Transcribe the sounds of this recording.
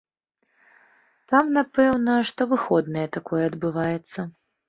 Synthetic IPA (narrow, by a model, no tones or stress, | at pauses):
t̪amnapɛwnɐʂt̪ɔvɨxɔd̪nɐjɛt̪akɔjɛːd̪bɨvajɛt̪sːɐ